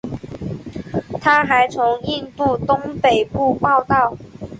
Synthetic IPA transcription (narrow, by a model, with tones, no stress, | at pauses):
t̪ʰa˥xa˨˥ɪt͡sʰʊ˧˥ŋi˥˧nt̪u˥˧t̪ʊ˥ŋpe˨˩ɪpu˥˧pɑ˥˧ʊt̪ɑ˥˩ʊ